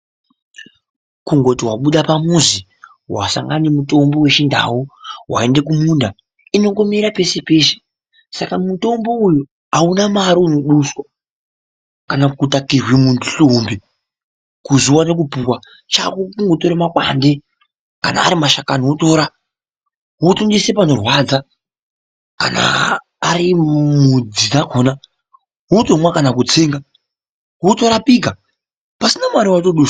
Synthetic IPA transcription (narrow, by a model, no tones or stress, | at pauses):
kuŋɡo̞tiwaɓuɗapamuzi | wa̰sa̰ŋɡanemuto̞mbo̞we̞t͡ʃindʱa̰wuwa̰e̞nde̞k̬umuːnda | ino̞ŋɡo̞miɾape̞sepe̞se̥ | sakamuto̞mbo̞uju | aunamaɾiuno̞ɗuswa | kanakutakirwimuntuɬombe | kuzuwane̞k̬upukwa | t͡ʃakukuŋɡotoɾemakwa̰nde̞ | kana̰ːɾimaʃakanouto̞ːɾa | ɦotundisepano̞rwad͡za | ka̰na̰ː | ɾimud͡zinakoːna | ɦutomwakanak̬ut͡seːŋɡa | ɦuto̞ɾapika | pasinamaɾiwatoɗuːswa